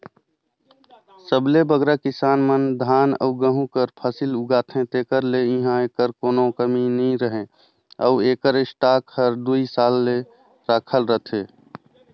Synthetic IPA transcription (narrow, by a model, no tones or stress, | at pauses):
səblebəɡɾakɪsaːnmənd̪ʱaːnə̰uɡəɦũkəɾpʰəsiluɡaːt̪ʰẽt̪eːkəɾleɪ̃ɦãeːkəɾkoːnokəminəĩɾəɦẽ | ə̰ueːkəɾɪsʈaːkhəɾd̪uisaːlːe | ɾaːkʰəlɾət̪ʰeː